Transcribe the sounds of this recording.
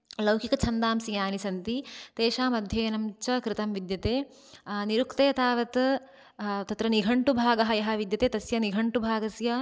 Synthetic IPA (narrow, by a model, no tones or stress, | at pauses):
lɐwkikɐt͡ʃʰɐnd̪aːmsijaːnisɐnt̪it̪eːʃaːmɐd̪ʱjɐːɐnɐmt͡ʃɐkɾɪt̪ɐmʋid̪jɐt̪eː | niɾukt̪eːɐt̪aːʋɐt̪ | t̪ɐt̪ɾɐniɡʱɐɳʈubʱaːɡɐɦɐjɐɦɐ̆ʋid̪jɐt̪eːt̪ɐsjɐniɡʱɐɳʈubʱaːɡɐsjɐ